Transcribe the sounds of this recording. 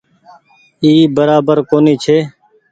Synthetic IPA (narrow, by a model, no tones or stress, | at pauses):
iːbəɾaːbəɾkoːniːt͡ʃʰeː